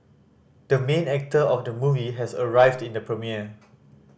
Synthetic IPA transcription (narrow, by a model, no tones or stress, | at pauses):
d̥əmẽnɛk̚təʔɔfdəmuviɦɛsəɹaɪvdĩndəpɹəmiə